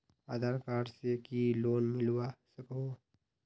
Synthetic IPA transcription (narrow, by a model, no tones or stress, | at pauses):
a̰d̪əɾkaːɾsekiloːnmɪlwasəkoː